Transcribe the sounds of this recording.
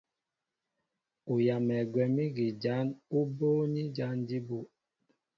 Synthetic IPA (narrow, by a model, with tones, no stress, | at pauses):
u˨ja˨mɛ˨ɡwɛ˨mi˦ɡi˨d͡ʒa˨˦nu˦boː˦ni˦d͡ʒa˦ndi˦bu˦˨